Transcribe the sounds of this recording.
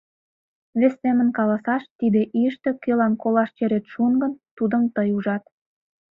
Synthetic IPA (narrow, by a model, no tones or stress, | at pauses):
βest̪emə̆nkɑlɑsɑʃt̪id̪eʔiʃt̪ĕkølɑnkolɑʃt͡ɕeɾet̪ʃuŋɡə̆nt̪ud̪əmt̪əjuʒɑt̪